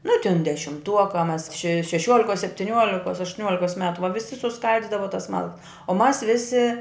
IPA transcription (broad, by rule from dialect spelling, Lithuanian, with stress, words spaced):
nʊ tʲɪn dʲɛʃʲɪmˈtuɔkɐ mɐs ʃʲɛ ʃʲɛˈʃʲuɔlʲɪkoːs sʲɛpʲtʲɪˈnʲuɔlʲɪkoːs ɐʃtʊˈnʲuɔlʲɪkoːs ˈmʲæːtʊ ʋɐ ʋʲɪˈsʲɪ sʊˈskɐlʲdʲɪdɐʋɐ tɐs ˈmɐlˠkɐs oː mɐs ˈʋʲɪsʲɪ